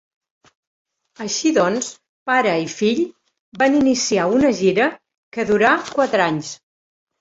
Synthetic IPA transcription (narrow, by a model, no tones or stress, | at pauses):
əʃiðɔns | paɾəifiʎ | baninisiaunəʒiɾə | kəðuɾakwat̪ɾaɲs